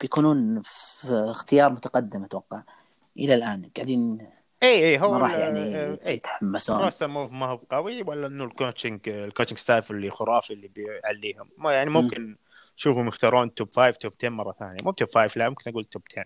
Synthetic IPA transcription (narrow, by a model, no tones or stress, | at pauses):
b̥jakuːnuːn | xt̪ɪjɑːɾˤmʊt̪aqɑd̪ːɪmʊt̪wɑqːɑʕ | ʔɪlalʔaːnɡ̥aʕd̪iːn | ʔiːʔiːɦʊwːɾˤɑjaʕniʔiːɪt̪ħamːasuːasanmumahʊbqɑwiwalːaʔɪnːulkoːt͡ʃɪŋɡɪlkoːt͡ʃɪŋɡst̪aːflːixʊɾˤɑːfilːibʕalːiːhʊmːjaʕnimʊmmkɪn | ʃuːfhʊmjɪxt̪ɑːɾˤuːnt̪obfaːjvt̪ob̚t̪eːnmɑrˤːɑθa̰ːnjamʊt̪obfaːjflamʊmkɪnʔaɡuːlt̪ob̥̚t̪ʰeːn